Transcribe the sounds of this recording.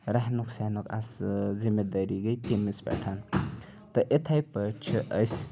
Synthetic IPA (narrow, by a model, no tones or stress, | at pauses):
ɾaɦnuksanoka̰szimed̪əɾiɡəjt̪imisba̰ʈʰan | t̪ɐʔet̪ʰajpət͡ʃʰiʔəjs